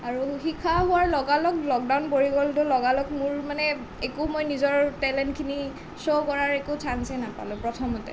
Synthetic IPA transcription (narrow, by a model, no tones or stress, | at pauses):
aɹuxikʰaɦʊwaɹlɔɡalɔklɔk̚dawnpoɹiɡɔltʊlɔɡalɔkmʊɹmanɛ | ekumojnizɔɹtɛlɛntkʰini | sokɔɹaɹekʊtʰansɛnapa̰lʊ̃pɹɔtʰɔmɔtɛ̰